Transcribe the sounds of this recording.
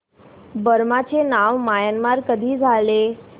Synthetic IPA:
bəɾmat͡ɕenaʋmajanmaɾkəd̪ʱiːd͡zʱale

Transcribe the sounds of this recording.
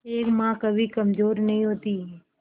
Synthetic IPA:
eːkmãkəbʱikəmd͡ʒoːɾnəɦĩɦoːt̪iː

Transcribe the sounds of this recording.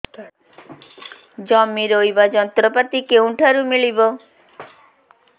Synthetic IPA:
d͡ʒɔmːiɾojbad͡ʒɔnt̪ɾɔpat̪ikew̃ʈʰaɾumiɭibɔ

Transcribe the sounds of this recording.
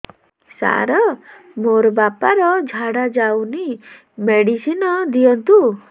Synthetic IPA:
sa̰ɾɔ | moɾɔbapaɾɔd͡ʒʱaɽad͡ʒawni | meɽisinɔd̪ijɔnt̪u

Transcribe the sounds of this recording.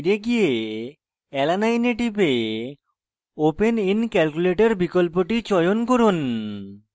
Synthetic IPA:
ɾeɡije | ɛlanajneʈibe | openinkɛlkuleʈeɾbikolpoʈit͡ɕɔjonkoɾun

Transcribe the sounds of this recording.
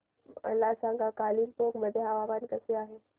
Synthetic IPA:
ɐ̰lːasãːŋɡakaːlilt̪okməd̪ʱeɦaʋaːbaːnkəseaːɦeː

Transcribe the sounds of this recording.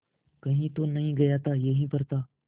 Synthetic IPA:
kəɦĩːt̪oːnəɦĩːɡəjaːt̪aːjəɦĩːpəɾt̪aː

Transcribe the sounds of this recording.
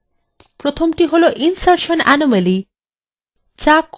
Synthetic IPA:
pɾot̪ʰomʈiɦoloʔinsaɾʃonæ̰nomeli | t͡ɕak

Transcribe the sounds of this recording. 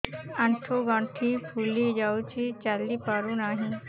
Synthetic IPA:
ɐ̃ɳʈʰoɡãɳʈʰipʰuːlid͡ʒaːut͡ʃit͡ʃalːipaːɾunaːɦĩ

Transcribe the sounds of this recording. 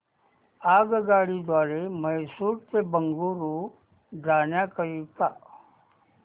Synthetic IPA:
aːɡɡaːɽid̪ʋaːɾeməjsuːʈt̪ebəŋɡuːɾuː | d̪ʱaːnjakəɾiːt̪aː

